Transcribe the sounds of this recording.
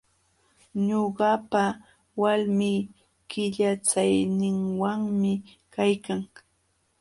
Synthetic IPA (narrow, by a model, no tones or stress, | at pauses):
ɲoɢɑpa | walmiː | kɪʎat͡sajnɪŋwaŋmɪ | kajkaŋ